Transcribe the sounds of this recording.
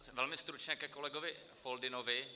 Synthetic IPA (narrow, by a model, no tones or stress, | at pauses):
sɛvɛlmɪst̪ɾut͡ʃɲɛkɛkolɛɡovɪ | foldɪnovɪ